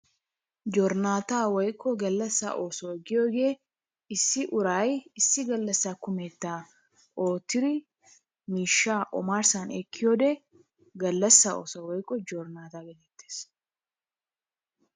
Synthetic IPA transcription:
d͡ʒoːɾnaːt̪aːwɔjkʼːɔɡɐlːɐsːa̰ːʔo̞ːsoːɛɡːɪjoːɡe̞ː | ɪsːɪʔʊɾajɪsːɪɡɐlːɐsːaːkʊmeːt̪ːaː | oːt̪ːɪɾɪ | miːʃːaːʔɔ̰maːɾsanɛkʰːɪjoːd̪ɛ | ɡɐlːɐsːao̰ːsawɔjkʼːɔd͡ʒoːɾnaːt̪aːɡɛlɛt̪ːeːs

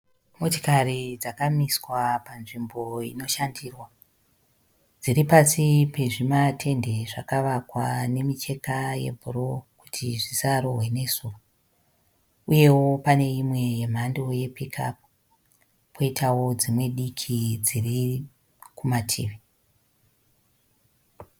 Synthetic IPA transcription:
mo̞tikarid͡zakamiswapanʐimbo̞ḭno̞ʃandiːrwa | d͡ziripasipe̞ʐimatʰe̞nde̞ʐakaʋakwane̞mit͡ʃe̞kaje̞̰bʱuɾoku̥tʰiʐisaɾo̞ɦwene̞zuːʋa | uje̞wo̞pane̞imwe̞je̞m̤ando̞je̞pikʰa̰p̚u | po̞itʰawo̞d͡zimwe̞ɗikʰid͡ziri | kumatʰḭːʋe

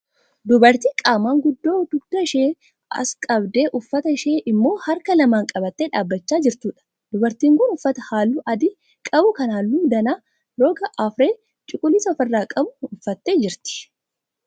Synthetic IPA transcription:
d̪ʊbɐɾt̪iːkʼaːmaːŋɡʊd̪ːo̞ːd̪ʊɡd̪̥ɐɪʃeː | ɐ̰skʼɐbd̪e̞ːʔʊfːɐt̪ɐɪʃeːʔɪmːo̞ːhɐɾkɐlɐmaːŋkʼɐbɐt̪ːeːᶑaːbːɐt͡ʃːaːd͡ʒɪɾt̪uːᶑɐ̥ | d̪̥ʊbɐɾt̪iːŋkʊnʊfːɐt̪ɐhaːlːuːʔɐd̪ɪ | kʼɐbʊkɐnaːlːuːd̪ɐnaː | lo̞ːɡɐʔɐfɾeː | t͡ʃʼʊkʼʊlɪsɐfɐrːaːkʼɐbʊʊfːɐt̪ːeːd͡ʒɪɾt̪ɪ̥

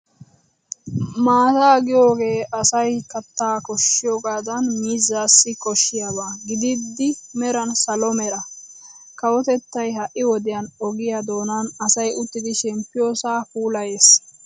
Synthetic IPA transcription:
maːt̪aːɡɪjo̞ːɡe̞ːɐsɐjkɐt̪ːaːkɔʃːɪjoːɡaːd̪ɐnmiːzːaːsːɪkɔʃːɪjaβaːɡɪd̪ɪd̪ːɪmɛɾɐnsɐlɔmɛɾɐ | kɐwɔt̪ɛt̪ːɐjɦɐʔɪwɔd̪ɪjɐnɔɡɪjad̪o̞ːnɐnɐsɐjʔʊt̪ːɪd̪ɪʃɛmpːɪjo̞ːsaːpuːlɐje̞ːs

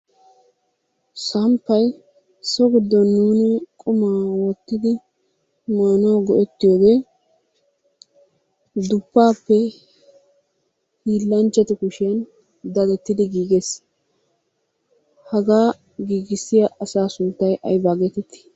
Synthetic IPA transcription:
sɐmpːɐj | sɔɡɪd̪ːɔnːuːnɪkʼʊmaːwɔt̪ːɪd̪ɪ | maːnoːɡɔʔɛt̪ːɪjoːɡe | d̪ʊpːaːpːɛ | hiːlːɐnt͡ʃːɛt̪ɛkʊʃɛn | d̪ɐdɛt̪ːɪd̪ɪɡiːɡes | hɐɡaː | ɡiːɡɪsːɪjaʔɐsaːsʊnt̪ːɐjʔɐ̰jbaːɡɛt̪ɛt̪ːɪ̥

